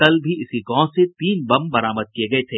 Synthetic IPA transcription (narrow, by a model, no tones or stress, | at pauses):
kɐlbʱiɪsiɡɔ̃ːset̪iːnbɐmbɐɾaːməd̪̚kijeɡɐet̪ʰeː